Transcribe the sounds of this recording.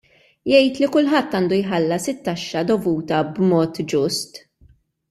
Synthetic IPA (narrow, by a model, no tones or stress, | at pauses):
jɛjt̪likʊlħɐt̪ːɐːnd̪ujħɐlːɐsɪt̪ːɐʃːɐd̪ɔvuːt̪ɐbmɔːt̪d͡ʒʊst̪